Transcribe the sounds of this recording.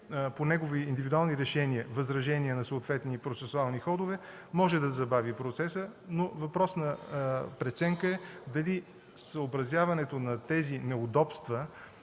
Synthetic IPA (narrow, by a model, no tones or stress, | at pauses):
ponɛɡoviːnd̪ivid̪ualˠniɾɛʃɛniəvɐzɾɐʒɛniənɐsoːt̪vɛt̪nipɾot̪sɛsʊalˠnixɔd̪ʊvɛ | mɔʒɛd̪ɐzɐbavipɾot̪sɛsənovɐpɾɔsnɐpɾɛt̪sɛŋkəɛd̪ɐli | səobɾɐzʲjavɐnɛt̪onɐt̪ɛzinɛʊd̪ɔpst̪və